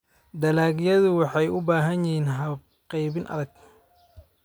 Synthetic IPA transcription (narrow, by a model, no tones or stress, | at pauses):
d̪ɐlaːɡjɐðʊwɑħɑjʔʊbaːɦɐnjɪhiːnɦɐb̚ | qɛjβɪnʔɐ̰ðɐɡ̚